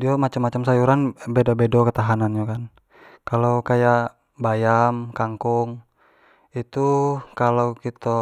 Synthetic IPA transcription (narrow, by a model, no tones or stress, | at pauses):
diamat͡ʃamːat͡ʃamsajuɾanbɛdabɛdɔkət̪aɦananɲokan | kalokajaʔ | bajamkaŋkuŋ | it̪ukaloukit̪ɔ